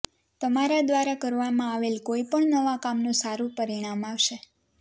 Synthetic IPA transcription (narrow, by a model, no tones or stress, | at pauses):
t̪əmaɾad̪ʋaɾakəɾʋamãaʋelkoipəɳnəʋakamnũsaɾũpəɾiɽ̃amaʋʃe